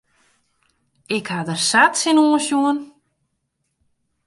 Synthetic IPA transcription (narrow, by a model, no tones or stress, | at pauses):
ɪkhadərsatsinoːənsjuən